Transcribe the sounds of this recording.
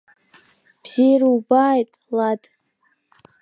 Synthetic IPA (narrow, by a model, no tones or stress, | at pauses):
b̥z̥ijrubaːjtʼladʼ